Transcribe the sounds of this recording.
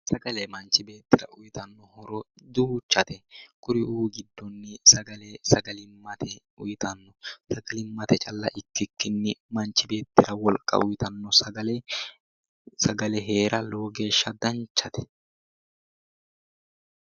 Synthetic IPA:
sɐɡɐlɛmɐnt͡ʃːɪbe̞ːt̪ːɪɾɐ̰ʔʊjɪt̪ɐnːɔhɔɾɔd̪uːt͡ʃːɐt̪ɛkʼʊɾɪʔuːɡɪd̪ːɔnːɪsɐɡɐlesɐɡɐlɪmːɐt̪ʰɛ | ʊjɪt̪ɐnːɔsɐɡɐlɪmːɐt̪ɛt͡ʃʼɐlːɐʔɪkːɪkːɪnːɪmɐnt͡ʃːɪbe̞ːt̪ːɪɾɐwɔlkʼːɐ̰ʊjɪt̪ɐnːɔsɐɡɐlɛ | sɐɡɐlɛɦe̞ːɾɐloːɡeːʃːɐd̪ɐnt͡ʃːɐt̪ɛ̥

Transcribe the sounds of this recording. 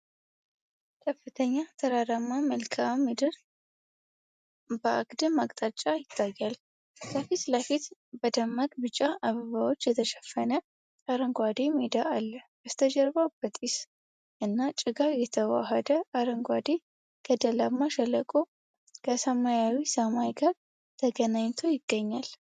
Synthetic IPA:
kʰəfːɨt̪ʰəɲːat̪ʰəɾaɾamːaməlkʰamːid̪ɨɾ | bəʔa̰ɡd̪ɨmakʼt̪ʼat͡ʃʼːajɪt̪ʰːajːal | kəfit̪ləfit̪bəd̪əmːakʼbɨt͡ʃʼːaʔaβəβawot͡ʃːjɛt̪ʰəʃɛ̥fːənə | aɾəŋɡʷad̪emed̪aʔalːəbəst̪ʰəd͡ʒɛɾbawb̥ət̪ʼis | ʔɨnːat͡ʃʼɪɡaɾjɛt̪ʰəwa̰ɦəd̪əaɾəŋɡʷad̪e | ɡ̥əd̪əlamːaʃɛlːəkʼo | kʰəsəmajawisəmajɡaɾ | t̪ʰəɡənaɲt̪ʰo̞jɪɡ̥ːəɲːal

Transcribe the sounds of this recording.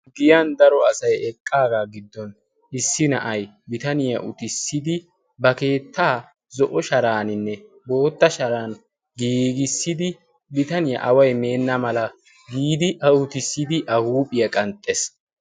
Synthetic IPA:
ɡɪjɐnd̪ɐɾɔɐsɐjɛkʼːaːɡaːɡɪd̪ːɔn | ʔɪsːɪnɐ̰ʔɐj | bɪt̪ɐnɪjɐ̰ʔʊt̪ɪsːɪd̪ɪ | bɐke̞ːt̪ʰːaː | zɔʔɔʃɐɾaːnɪnːɛ | bo̞ːt̪ːɐʃɐɾaːn | ɡiːɡɪsːɪd̪ɪ | bɪt̪ɐnɪjɐ̰ʔɐwɐjme̞ːnːɐmɐlɐ | ɡiːd̪ɪʔɐʊt̪ɪsːɪd̪ɪʔɐhuːpʼɪjɐkʼɐnt̪ʼːes

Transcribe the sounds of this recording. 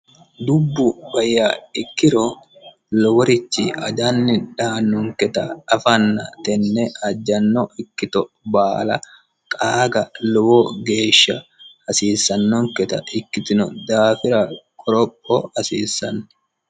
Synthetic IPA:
d̪ʊbːʊbɐjːaːɪkːɪɾɔ | lɔwɔɾɪt͡ʃːɪʔɐd̪ɐnːɪᶑaːnːʊŋkɛt̪ɐɐfɐnːɐt̪ɛnːɛɐd͡ʒːɐnːɔɪkːɪt̪ɔ | baːlɐ̰ | kʼaːɡɐlɔwɔɡe̞ːʃːɐhɐsiːsːɐnːɔŋkɛt̪ɐʔɪkːɪt̪ɪnɔd̪aːfɪɾɐkʼɔɾɔpʼːɔhɐsiːsːɐnː

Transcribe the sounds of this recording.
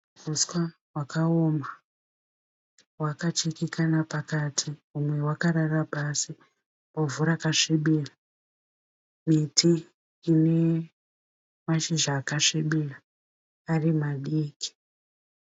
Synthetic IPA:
uskwa | wakʰaoma | wakat͡ʃikikʰanapakatʰiumwe̞wakaɾarapasi | movuɾakaʂiɓiːra | mitʰiː | ne | maʃiʒaːkaʂiɓira | arimaɗiːki̥

